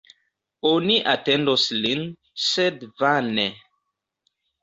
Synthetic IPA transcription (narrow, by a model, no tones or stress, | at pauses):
oniʔatendoslin | sedvane